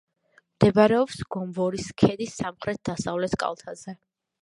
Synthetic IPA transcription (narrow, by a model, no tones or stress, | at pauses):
md̪̥ɛbaɾɛɔpsɡ̥ɔmvɔɾiskʰɛd̪isːamχɾɛt̪̚d̪asavlɛt̪ʰkʼa̰lˠt̪ʰazɛ